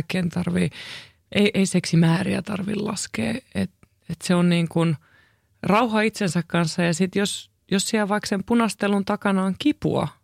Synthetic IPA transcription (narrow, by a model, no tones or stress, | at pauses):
kːeːnt̪ɑrʋi | ʔeiʔeiseksimæːriæ̰t̪ɑrʋḭllɑ̰skḛːet̪ | et̪seonniːŋkun | rɑuɦɑit̪sensækkɑnsːɑjɑsit̪jos | jossiælʋɑiksempunɑst̪elunt̪ɑkɑnɑːŋkipṵɑ̰